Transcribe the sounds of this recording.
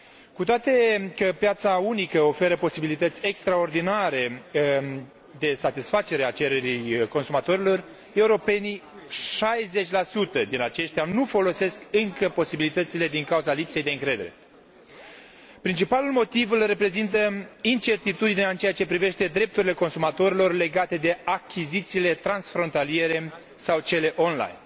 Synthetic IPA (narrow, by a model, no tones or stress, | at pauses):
kut̪oat̪e̞kəpjat̪saunikəo̞fe̞ɾəpo̞sibilit̪ət̪sʲe̞kst̪ɾao̞rd̪inaɾe̞ | d̪e̞sat̪isfat͡ʃe̞ɾe̞at͡ʃe̞ɾe̞ɾijko̞nsumat̪o̞ɾilo̞r | e̞uɾo̞pe̞ni | ʃajze̞t͡ʃʲlasut̪əd̪inat͡ʃe̞ʃt̪ʲanufo̞lo̞se̞skɨŋkəpo̞sibilit̪ət̪sile̞d̪iŋkawuzalipse̞jd̪e̞ɨŋkɾe̞d̪e̞ɾe | pɾint͡ʃipalulmo̞t̪ivɨlre̞pɾe̞zint̪əint͡ʃe̞rt̪it̪ud̪ineaɨnt͡ʃeat͡ʃe̞pɾive̞ʃt̪e̞d̪ɾe̞p̚t̪uɾile̞ko̞nsumat̪o̞ɾilo̞rle̞ɡat̪e̞d̪e̞akʲʰizit̪siːle̞t̪ɾansfɾo̞nt̪alije̞ɾe̞ | sawt͡ʃe̞le̞ʔonla̰jn